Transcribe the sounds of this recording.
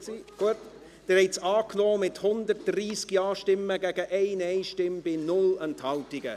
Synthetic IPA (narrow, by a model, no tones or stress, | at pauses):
ɡ̥uət | d̥əɾhɛɪsɑːkʰloːmɪthʊndərt̚d̥riːskjɑːʃtɪmːəɡɛɡəʔeɪneɪʃtɪmb̥ɪnʊlənthaltɪɡə̰